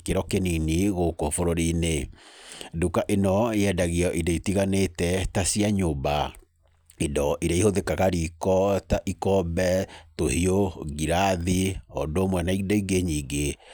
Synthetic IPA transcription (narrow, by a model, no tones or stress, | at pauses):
keɾɔkeniniɣokofoɾoɾine | dukaʔenɔeɛdaɣiɔʔidɔitiɣanetɛtasiaɲoba | idɔʔiɾaihoðekaɣaɾikɔtaʔikɔbɛtohioɣiɾaðiɔ̰domwɛnaidɔiɡeɲiːɡe